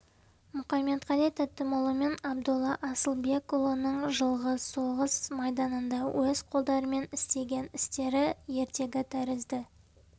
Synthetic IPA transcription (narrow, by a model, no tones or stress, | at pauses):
mʊχɑme̞t̪qɑlijt̪ʰæt̪ːəmʊlˠəme̞nɑb̚d̪ʊlˠːɑʔɑsəlˠbe̞kolˠonəɴʒəlˠʁəso̞ʁəsmɑjd̪ɑnənd̪ɑwʔɵzqʰo̞lˠd̪ɑɾəme̞nɪst̪e̞ɡʲe̞nɪst̪e̞ɾɪje̞ɾt̪e̞ɡʲɪt̪ʰæɾɪzd̪ɪ